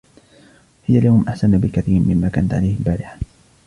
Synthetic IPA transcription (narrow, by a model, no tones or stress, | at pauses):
hɪjaljawmʔaħsanbɪkaθiːɾmɪmːaːka̰ːnat̪ʕalajhɪlbaːɾɪħḁ